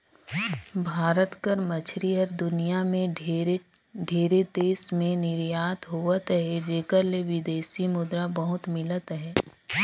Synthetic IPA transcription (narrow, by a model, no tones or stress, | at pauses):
bʱaːɾət̪kəɾmɐt͡ʃʰɾiɦəɾd̪ʊnijamẽ | ɖʱeːɾed̪eːsmẽnɪɾjaːt̪ɦuət̪ɦɛd͡ʒeːkəɾleʋɪd̪eːsimʊd̪ɾabɐɦʊt̪mɪlət̪ɦɛː